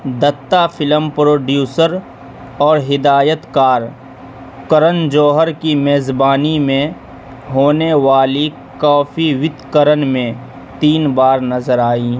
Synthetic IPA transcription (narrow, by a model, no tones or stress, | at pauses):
d̪ət̪ːafʰɪləmpɾoːɖjuːsəɾ | ɔːɾɦɪd̪aːjət̪kaːɾ | kəɾənd͡ʒoːɦəɾkimeːzbaːnimẽ | ɦoːneʋaːli | kaːfʰiʋɪd̪kəɾənmẽ | t̪iːnbaːɾnɐzəɾaːiː